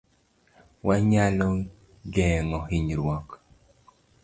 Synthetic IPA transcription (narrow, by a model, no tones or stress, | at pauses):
waɲalɔ | ɡɛŋɔhiɲɾwɔk